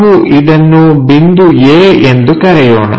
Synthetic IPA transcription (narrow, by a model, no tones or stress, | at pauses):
ɦuʔid̪ɐnːubind̪ujeːend̪ukɐɾɛjoːɳɐ̰